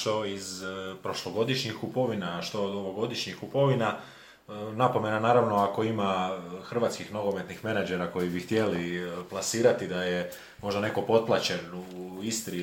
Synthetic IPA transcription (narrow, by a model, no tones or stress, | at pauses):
ʃt̪o̞izpɾo̞ʃlˠo̞ɡo̞d̪iʃɲixkupo̞ʋinaʃt̪o̞d̪oʋoɡo̞d̪iʃɲixkupo̞ʋina | napo̞me̞nanaːɾaʋno̞ako̞imaxr̩ʋaːt̪skixnoɡo̞me̞t̪nixme̞nad͡ʒe̞ɾako̞jibixt̪je̞liplˠasiːɾat̪id̪aje | mo̞ʒd̪ane̞ko̞po̞t̪̚plˠat͡ɕe̞nuist̪ɾi